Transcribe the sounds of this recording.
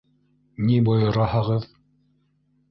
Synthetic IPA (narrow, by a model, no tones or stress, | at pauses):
nibojɤ̆ɾɑhɤʁɤð